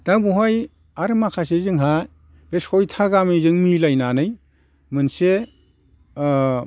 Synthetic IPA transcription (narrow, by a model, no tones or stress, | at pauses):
d̥aŋbuɦaj | aɾmakʰas̬ezɯŋɦa | b̥esɔjtʰaɡamizɯŋmilajnanɯj | mɯnse